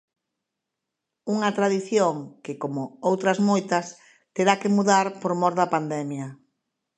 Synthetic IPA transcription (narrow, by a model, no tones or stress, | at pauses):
uŋɐt̪ɾaðiθjoŋkɪkomʊowt̪ɾɐzmojt̪ɐs | t̪eɾakemuðaɾpoɾmɔɾðɐpand̪ɛmjɐ